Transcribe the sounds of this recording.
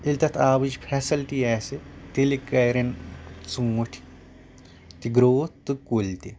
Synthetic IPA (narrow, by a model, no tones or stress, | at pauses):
ilʲt̪ɐt̪ʰaːbɨd͡ʒpʰeːsɐlʈiaːsit̪ilikɐjɾɐnsuŋuʈʰi̥ | t̪iɡɾoːt̪ɨkulʲt̪i